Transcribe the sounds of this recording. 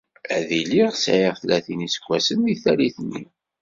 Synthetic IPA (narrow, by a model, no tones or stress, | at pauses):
æðiliʁsʕiʁθlæθinisə̥kʷːæsənðiθæliθnːḭ